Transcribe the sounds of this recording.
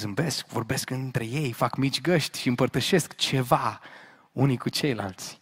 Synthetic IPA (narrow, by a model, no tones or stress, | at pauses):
zɨmbe̞skvo̞rbe̞skɨnt̪ɾe̞je̞jfakmit͡ʃʲɡəʃt̪ʲʃiɨmpərt̪əʃe̞skt͡ʃe̞va | unikut͡ʃe̞jla̰lt̪sʲ